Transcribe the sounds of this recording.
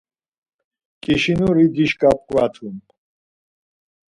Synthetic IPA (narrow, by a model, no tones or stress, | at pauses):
kʼiʃinuɾid̪iʃkʼap̚kʼvat̪ʰum